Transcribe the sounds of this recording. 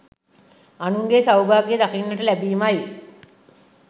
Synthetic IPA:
anuŋɡesawbaːɡijed̪akinːəʈəlæbiːmaj

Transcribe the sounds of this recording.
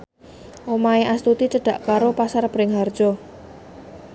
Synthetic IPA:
ʔomaeʔast̪ut̪it͡ʃəɖ̥a̤ʔkaɾopasarb̥ɾɪŋɦar̥ʒ̥ɔ

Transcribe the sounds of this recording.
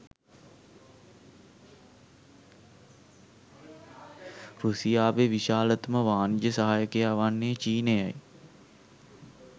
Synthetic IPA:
rusijaːʋeʋiʃaːlət̪məʋaːnijəsəɦaːjəkejaːʋanːejət͡ʃiːnejaj

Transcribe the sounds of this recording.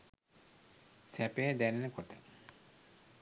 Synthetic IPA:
sæpejad̪ænenəkoʈə

